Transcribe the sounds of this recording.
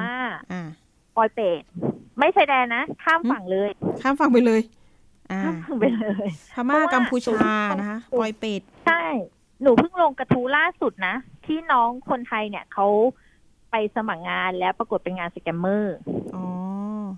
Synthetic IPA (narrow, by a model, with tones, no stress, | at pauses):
maː˥˩ʔaː˧˩ | fɔː˧jpeː˨˩t̪̚ma˥˩jt͡ɕʰa˧˩jdɛː˧na˦˥kʰaː˥˩mfa˨˩ŋlɤː˧jkʰaː˥˩mfa˨˩ŋp̬a˧jlɤː˧j | ʔaː˧aː˥˩mfa˨˩ŋpa˧jlɤː˧jʰa˧ma˥˩˥ka˧m˧pʰuː˧˩t͡ɕʰo˧˩˧pʰaː˧na˦˥kʰa˦˥ɔː˧jpeː˨˩t̪̚t͡ɕʰa˥˩j | nuː˩˦pʰɯ˥˩ŋlo˧ŋka˧t̪ʰu˦˥laː˥˩su˨˩t̪̚na˦˥t̪ʰiː˥˩nɔː˦˥ŋkʰo˧nt̪ʰa˧jni˦˥˩ɐkʰa˦˥w | pa˧jsa˧ma˨˩k̚ŋaː˧nlɛː˦˥wpɾa˧ku˨˩t̪̚pe˧nŋaː˧nsa˧kɛ˧mːɤː˥˩ʔɔː˨˩˦